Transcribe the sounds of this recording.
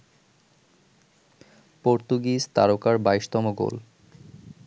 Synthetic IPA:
poɾt̪uɡist̪aɾokaɾbaiʃt̪ɔmoɡo̰l

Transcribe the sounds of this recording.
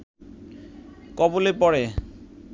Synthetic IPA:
kɔbolepɔɽe

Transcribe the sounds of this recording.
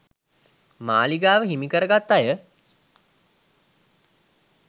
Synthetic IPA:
ma̰ːliɡaːʋəɦimikəɾəɡat̪ːajə

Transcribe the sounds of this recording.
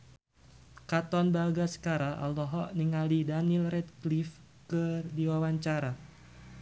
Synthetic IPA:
kat̪ɔnbaɡasə̥kaɾaʔa̰lɔɦɔʔniŋalidanilrɛt̪̚klif | kədiwawaɲt͡ʃaɾa

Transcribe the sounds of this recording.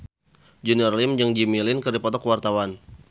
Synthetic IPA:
d͡ʒəniɔrlimd͡ʒaŋd͡ʒimilɪnkɨrdipɔt̪ɔkwart̪awan

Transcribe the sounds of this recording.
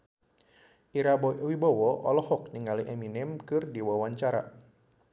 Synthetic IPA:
ʔiɾabwibɔwɔʔɔlɔhɔk̚niŋaliʔɛminɪmkɨrdiwawaɲt͡ʃaɾa̰

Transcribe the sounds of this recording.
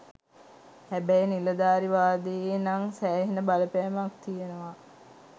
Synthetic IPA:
hæbæjniləd̪aːɾiʋaːd̪ejnaŋsæːɦinəbaləpæːmakt̪ijenəʋa

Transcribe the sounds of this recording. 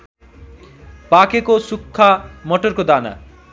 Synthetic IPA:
pakekosukʰːamɔʈoɾkod̪ana̰

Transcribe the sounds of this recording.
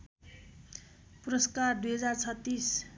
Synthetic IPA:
puɾʌskard̪ujɦʌd͡zart͡sʰʌt̪ːis

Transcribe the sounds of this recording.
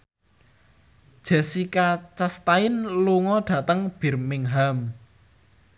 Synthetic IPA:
d̥ʒ̥ɛ̤sikat͡ʃast̪aɪnluŋɔɖ̪̥ä̤t̪əŋb̥i̤rmɪŋɦam

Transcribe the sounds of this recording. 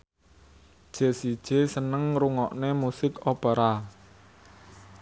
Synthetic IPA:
d̥ʒ̥e̤sid̥ʒ̥esənəŋɾuŋɔʔnemusɪkopəɾa

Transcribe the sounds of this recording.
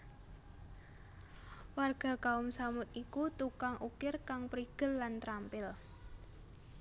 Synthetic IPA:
warɡ̥a̤kaʊmsamʊt̪̚ikut̪ukaŋʔukɪrkaŋpɾiɡ̥ə̤lːant̪ɾampɪl

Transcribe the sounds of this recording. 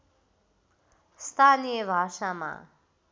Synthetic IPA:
st̪aːniɛʋaːʃama̰

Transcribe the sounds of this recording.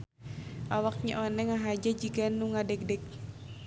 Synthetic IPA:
ʔawak̚ɲa̰ʔonɛŋaɦad͡ʒad͡ʒiɡanːuŋadɛk̚dɛk̚

